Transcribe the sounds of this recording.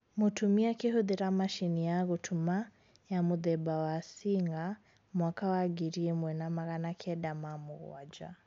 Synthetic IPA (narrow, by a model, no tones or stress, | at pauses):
mutumiakihuðiɾamaʃinijaɣutʰuma | jamuðɛbawasiŋɡa | mwakawaɡiɾiɛmwɛnamaɣanakʰɛɗamamuɣw̰a̰d͡ʒa̰